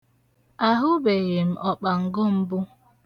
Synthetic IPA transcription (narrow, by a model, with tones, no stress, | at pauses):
a˦ɦʊ˦be˨je˨m̩˨ʔɔ˨k͡pa˨ŋ̩˨ɡo˦m̩˦bʊ˦